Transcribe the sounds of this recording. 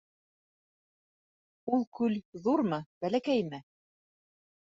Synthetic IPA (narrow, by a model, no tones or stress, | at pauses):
ulˠkʉlðuɾmɤb̥ælækæjmɘ